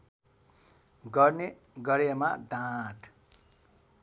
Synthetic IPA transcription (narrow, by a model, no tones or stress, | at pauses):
ɡʌrne | ɡʌɾjemaɖãʈʰ